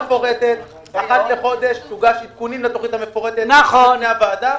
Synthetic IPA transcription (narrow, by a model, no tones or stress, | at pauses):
efo̞ʁet̪et̪ | aχat̪leχo̞d̪e̞ʃsuɡaʃit̪̚kunimlat̪oχit̪hamefo̞ʁet̪enaχoneavad̪a